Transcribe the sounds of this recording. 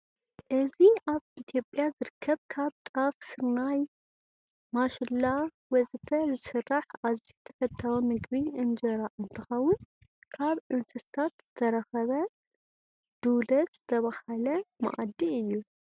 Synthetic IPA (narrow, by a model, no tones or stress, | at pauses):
ʔɨziaβit̪ʰjopʼjazɨɾɨkʰːɐβkʰaβt̪ʼɾafsɨɾnaj | maʃɪlːa | wɔzɨt̪ʰɐzɨsɨrːaħʔaziht̪ʰɐ̥fɐt̪ʰːɐwomɨɡβiɨnd͡ʒɐɾaʔɨnt̪ʰɨxɐwʊn | kʰaβʔɨnsɨsat̪z̥ɨt̪ʰɐɾɐxɐβɐ | d̪̥ulɐt̪z̥ɨt̪ʰɐβahɐlɐma̰ʔad̪iɨjːu